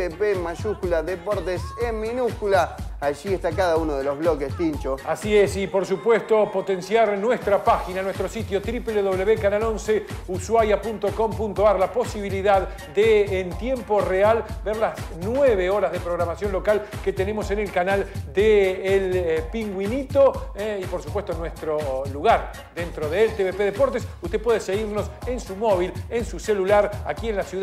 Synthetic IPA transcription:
epemaʃuskulaðepoɾt̪esemminuskulaaʒiest̪akaðaunoðelozβlok̬est̪int͡ʃoasiesipo̞ɾsupwe̞st̪o̞po̞t̪e̞nsjaɾnwest̪ɾapaxinanwe̞st̪ɾo̞sit̪jo̞t̪ɾipleðoβleβekanalo̞nseuswaɾjapunt̪oko̞mpunt̪oaɾlapo̞siβ̞iliðað | d̪eːnt̪je̞mpo̞realbeɾlasnweβeo̞ɾazðepɾo̞ɣ̞ɾamasjo̞nlo̞kalket̪ene̞mo̞se̞nelkanald̪eːlpiŋɡwinit̪o̞eipo̞ɾsupwe̞st̪onwest̪ɾo̞luɣaɾ | d̪ent̪ɾo̞ðelt̪eβepeðepoɾt̪esust̪epwe̞ð̞eseɣiɾno̞se̞nsumo̞β̞ile̞nsuselulaɾakie̞nlasju

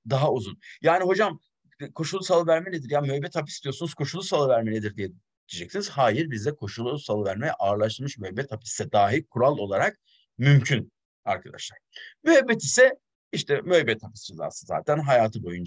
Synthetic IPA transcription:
d̪aɦauzunjaːniɦo̞d͡ʒam | kʰo̞ʃulˠːusalˠɯvæɾmɛned̪iɾjamyhɛbɛt̪hapi̥sd̪ijo̞ɾsunuz̥kʰo̞ʃulˠːusalˠɯvæɾmened̪iɾd̪ijɛ | iid͡ʒɛcsiniz̥haːjiɾbizd̪ɛkʰo̞ʃulˠuusalˠɯvæɾmejɛʔaːɾlˠaʃt̪ɯɾmʃmyhɛbɛt̪hapi̥sːɛd̪aːɦikʰuɾalˠo̞lˠaɾak̚ | mymcʰyn | a̰ɾkʰad̪a̰ʃlˠaɾ̥myɦɛbːɛt̪isɛ | iʃt̪ʰɛmyhɛbːɛt̪hapi̥sd͡ʒeza̰ːsɯza̰ːt̪ʰænɦajaːt̪ʰɯbo̞jund͡ʒ

